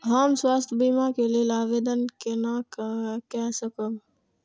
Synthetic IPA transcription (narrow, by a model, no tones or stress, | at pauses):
ɦəmswaːst̪ʰəbiːmakelielaːʋeːd̪ənkenakkɛsəkom